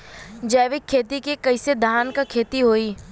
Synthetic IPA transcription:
d͡ʒɐːʋɪkʰːeːt̪ikekɐɪsed̪ʱaːnkakʰeːt̪iɦoːiː

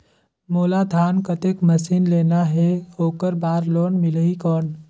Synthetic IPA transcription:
moːlad̪ʱaːnkət̪ekmɐsiːnleːnaɦɛɦoːkəɾbaːɾloːnmɪlɦikɔːn

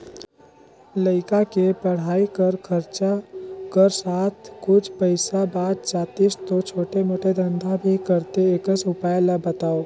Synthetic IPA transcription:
ləɪkakepəɽ̤aːikəɾkʰəɾt͡ʃakəɾsaːt̪ʰkʊt͡ʃʰpəɪsabaːd̪̚t͡ʃaːt̪ist̪ot͡ʃʰoːʈemoːʈed̪ə̃nd̪ʱabʱikəɾt̪eekəsʊpaːjlabət̪aːo

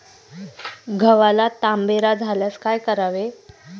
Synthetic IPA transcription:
ɡʱəʋalat̪ambeɾad͡zʱaljaskajkəɾaʋe

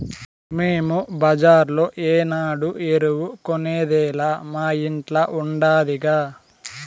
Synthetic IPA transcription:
meːmubɐd͡ʒaːɾloːʔeːnaːɽuʔeɾuwukoneːd̪ɛːlaːmaːiɳʈlɐʔuɳɖaːd̪iɡaː

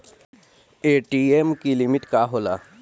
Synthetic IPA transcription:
eʈiemkilimiʈkaɦola̰

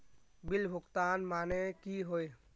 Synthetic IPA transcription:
bilbʱʊkt̪anmanekiɦoj

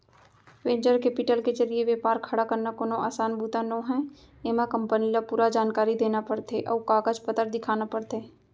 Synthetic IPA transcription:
ʋẽːɲd͡ʒəɾkeːpɪʈəlked͡ʒəlieʋeːpaːɾkʰəɽakəɾnakoːnoʔaːsaːnbuːt̪ãnõɦɛ̃ | eːmakə̃mpənilapuːɾad͡ʒaːnkaːɾid̪eːnapəɽt̪eʔɔ̰ːkaːɡəd͡ʒpət̪əɾd̪ɪkʰaːnapəɽt̪eː

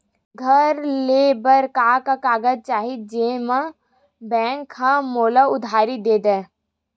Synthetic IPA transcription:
ɡʱɐɾleːbəɾkaːkakaːɡəd͡ʒ̚t͡ʃaːɦid͡ʒeːmã | bɛ̃ːŋkhamoːlaʊd̪ʱaːɾid̪eːd̪ɛ̃ː

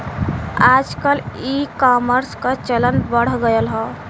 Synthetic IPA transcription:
aːd͡ʒkəlikaːməɾskat͡ʃələnbəɽ̤ɡəjəlɦɔː

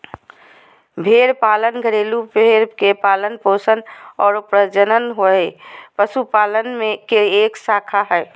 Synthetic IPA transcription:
bʱeːɾpaːlənɡʱəɾeːlupeɾkepaːlənpoːsənɔːɾʊpɾəd͡ʒənənɦoɛpəsupaːlənmẽkeeːksaːkʰaɦɛː

